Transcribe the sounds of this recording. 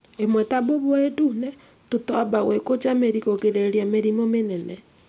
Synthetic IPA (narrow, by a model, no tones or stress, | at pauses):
emwɛtaβoβoedunɛ | totɔbaɣwekot͡ʃameɾikokeɾeɾiameɾimomenɛnɛ